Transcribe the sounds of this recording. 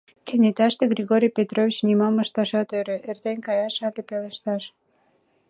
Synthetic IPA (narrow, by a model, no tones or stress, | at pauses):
kenʲet̪ɑʃt̪eɡrʲiɣoɾʲijpʲet̪rovʲit͡ɕnimɑmːəʃt̪ɑʃɑt̪øɾøʔert̪enʲkɑjɑʃɑlepeleʃt̪ɑʃ